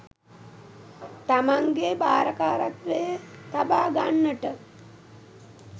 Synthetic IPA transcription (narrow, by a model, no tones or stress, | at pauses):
t̪amaŋɡeba̰ːɾəkaːɾat̪ʋejət̪abaːɡanːəʈə